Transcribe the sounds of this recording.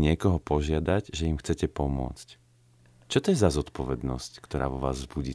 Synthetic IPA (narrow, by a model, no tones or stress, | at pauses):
ɲɪɛkɔɦɔpɔʒɪad̪aɟʒɛimxt͡sɛcɛpɔmʊɔ̰t͡sc | t͡ʃɔt̪ɔjɛzazɔt̪pɔʋɛd̪nɔsckt̪ɔɾaːʋɔʋa̰ːzzbuɟiː